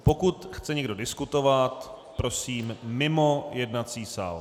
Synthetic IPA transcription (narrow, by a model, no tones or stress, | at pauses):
po̞kut̪xt͡sɛɲɛɡdo̞dɪskut̪o̞vat̪ | pɾo̞siːmːɪmo̞jɛdnat͡siːsa̰ːl